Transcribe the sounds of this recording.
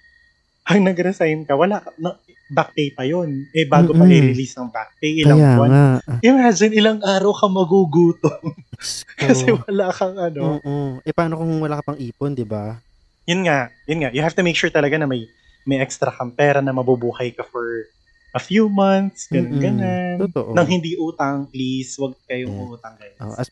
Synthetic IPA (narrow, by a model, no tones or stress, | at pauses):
ʔɐŋnɐɡɾɛsajnkɐwɐlaʔkɐnɐ | bak̚pejpɐjo̞nʔɛbaːɡopɐɪɾɪliːsnɐŋbak̚pejʔɪlaawɐaʔɪmad͡ʒɪnɪlaŋʔaːɾɐwkɐmɐɡuɡuːt̪oŋkɐsɛwɐlakɐŋʔɐnoʔoʔɛpaːnokohŋwɐlaːkɐpɐŋʔiːpond̪ɪba | jʊnŋaʔjʊnŋaʔjʊhaft̪umejkʃuɹt̪ɐlɐɡanɐmɐj | mɐjʔɛkst̪ɾɐkɐmpɛːɾɐnɐmɐbubuːhɐjkɐfɔɹ | ʔɐfjuːmɐnt̪̚sɡɐnɐnɡɐnant̪oʔ̪ːɐŋɦɪnd̪iʔuːt̪ɐŋpliswɐɡ̚kɐjoŋɐʔuːt̪ɐŋɡɐn̰